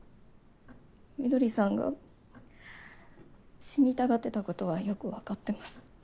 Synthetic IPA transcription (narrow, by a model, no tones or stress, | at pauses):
mʲid̪o̞ɾʲisãŋɡa̰ | ɕiɲ̟it̪aɡat̪ːe̞t̪ako̞t̪o̞β̞ajo̞kɯ̟βakat̪ːe̞masɨ̥